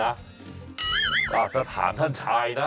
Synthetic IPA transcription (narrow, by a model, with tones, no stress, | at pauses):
a˦˥ | kaː˨˩p̚sa˧t̪ʰa̰ː˩˦nt̪ʰa˥˩nt͡ɕʰaː˧jna˦˥